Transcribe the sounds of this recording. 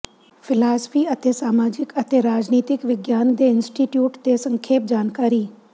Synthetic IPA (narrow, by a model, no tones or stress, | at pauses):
pʰɪlaːsə̥pʰiːət̪eːsaːmaːd͡ʒɪkət̪eːɾaːd͡ʒniːt̪ɪkʋɪɡjaːnd̪eːɪnsʈiːʈjuːʈt̪eːsə̃ŋkʰeːp̚d͡ʒaːnkaːɾiː